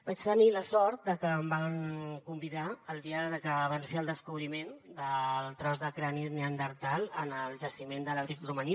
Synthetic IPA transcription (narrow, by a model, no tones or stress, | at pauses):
bat͡ʃt̪əniləsɔɾt̪̚d̪əkəːmbaŋkumbiðaəlˠd̪iəðəkəːβansfeəlˠd̪əskuβɾimend̪əlˠt̪ɾɔzðəkɾanit̪neənd̪əɾt̪alənəlˠʒəsimend̪ələβɾikruməni